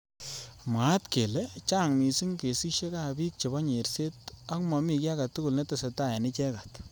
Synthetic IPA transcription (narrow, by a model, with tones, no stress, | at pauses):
mwa˨˦tke˨le˦t͡ʃa˦˨ŋmi˨sɪ˦ŋke˨si˦ʃe˦ka˦˨bi˦t̚t͡ʃe˨bɔ˦ɲe˨ɾse˦tɐ˦kmɔ˨mi˨kja˦ka˨tːu˦kʊ˨lne˦ta˨se˨ta˦˨ja˨nɪ˦t͡ʃɛ˦ka˨t